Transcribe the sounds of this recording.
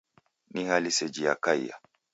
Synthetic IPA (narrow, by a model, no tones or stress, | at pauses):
nihalisɛd͡ʒija̰kajːa̰